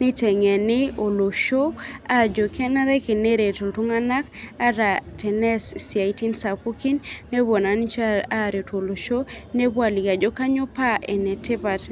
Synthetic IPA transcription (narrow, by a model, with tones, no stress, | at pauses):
nɪ˦tɛ˨ŋɛ˨nɪ˦o˨lo˨ʃo˦a˦d͡ʒo˨kʰɛ˦na˦ɾɛ˦ke˨ne˦ɾe˨to˨ltu˦ŋa˦na˦ka˦ɾa˨tɛ˨nɛ˦ssia˨i˦ti˦nsa˨pu˦ki˦nːe˦bo˨na˨n˦t͡ʃa˦a˦˨ɾjo˨to˨lo˨ʃo˦ne˦bwa˨li˨ɡa˨d͡ʒo˦ka˦ɲo˦pa˦ʔɛ˨nɛ˨tɪ˦pa˨t